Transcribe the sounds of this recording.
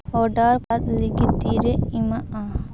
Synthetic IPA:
ɔɖaɾkat̪liɡit̪ːiɾeimaa

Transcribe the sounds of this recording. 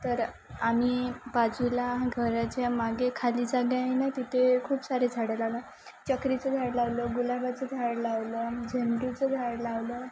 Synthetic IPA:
t̪əɾ | amiːbad͡zulaɡʱəɾat͡ɕjamaɡekʰaliːd͡zaɡjajnat̪it̪ʰekʰuːpsaɾed͡zʱaɽəlala | t͡ɕəkɾit͡səd̪ʱaɾlaʋləɡulabat͡səd̪ʱaɽlaʋləd͡ʑʱəɳɖut͡səd̪ʱaɾlaʋlə

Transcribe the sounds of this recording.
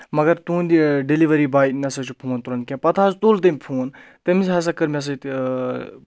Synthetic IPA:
mɐɡɐɾt̪uːnd̪iɖeliʋɐɾibaːjt̪nɐsɐt͡ʃʰupʰuːnt̪uɾɐnkʲẽpɐt̪ʰaːst̪ult̪̬ɐmʲipʰuːnt̪ɐmisɦɐs̬ɐkɐɾmiɐs̬ɐt̪

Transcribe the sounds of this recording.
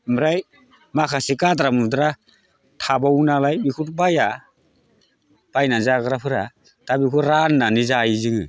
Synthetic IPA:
mɾaj | makʰasikadɾamudɾa | tʰabawnalajbikʰutbaja | pajnazaɡɯɾapʰɯɾa | tabikʰuɾanːanizajizɯŋɯ

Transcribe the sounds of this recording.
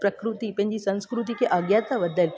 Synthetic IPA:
pɾəkɾut̪ipẽɲd͡ʑisə̃w̃skɾut̪ikeʔəɡjat̪abəd̪ːəl

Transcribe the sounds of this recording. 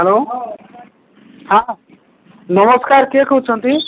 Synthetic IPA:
ɦɛlo | ɦã | nʌmɔskaɾkekʰowt͡ʃʰɔnt̪i

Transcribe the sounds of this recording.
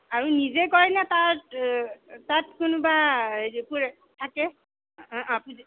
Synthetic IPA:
aɹunizɛkɔɹɛnɛtaɹt | tatkʊnʊbaepuɹɛ | tʰakɛ̃ | apuz

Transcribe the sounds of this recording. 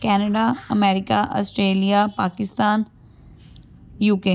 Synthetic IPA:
kɛːnəɖaɐmɛːɾɪkaʔɔ̰ːsʈɾeːlijapaːkɪst̪aːn | juːke

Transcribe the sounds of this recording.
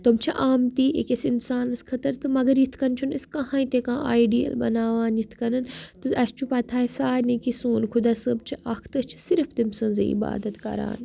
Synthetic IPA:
t̪umt͡ʃʰiʔaːmt̪iːʔḛkesinsaːnɐskʰɐt̪ɐɾt̪ʰɨmɐɡɐɾjit̪ʰkɐnt͡ʃʰunɐskɐɦãːĩt̪ekãːaːiɖiːɐ̰lbɐ̰naːʋaːnjit̪ʰkɐnɐnt̪uɐst͡ʃʰupɐt̪ʰaːisaːɾnɐkisuːnkʰud̪aːsɨb̚t͡ʃʰiɐkʰt̪ɨt͡ʃʰi̥siɾft̪imsɐ̃nzḛḭba̰ːd̪ɐt̪kɐ̰ɾa̰ːn

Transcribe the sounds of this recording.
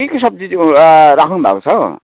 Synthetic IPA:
ekosʌb̚d͡zid͡zɾakʰnubʱa̰kot͡sʰʌ

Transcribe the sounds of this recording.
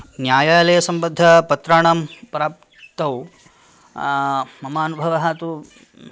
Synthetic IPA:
njaːjaːlɐjɐsɐmbɐd̪ʱːɐpɐt̪ɾaːɳɐmpɾaːp | t̪ɐw | mɐmaːnubʱɐʋɐɦɐt̪u

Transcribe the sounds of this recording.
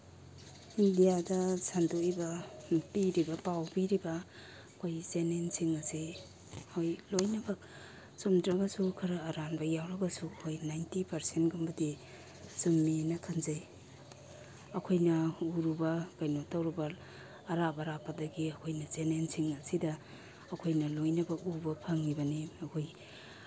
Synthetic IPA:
indijadɐsʰandoibɐpiɾibɐpawpiɾibɐ | kʰojzenensiŋɐsi | hojlojnɐbɐk̚ | sumdɾɐɡɐsukʰɐɾɐːɾanbɐjawɾɐɡɐsuhʰojnajntipɐɾsenɡumbɐdi | sumːinɐkʰanzaj | ɐkʰojnɐuɾubɐkajnotɐwɾibɐː | ɾabɐɾapːɐdɐɡiɐkʰojnɐzenensiŋɐsidɐ | ɐkʰojnɐlojnɐbɐkubɐpʰɐŋːibɐniɐkʰoj

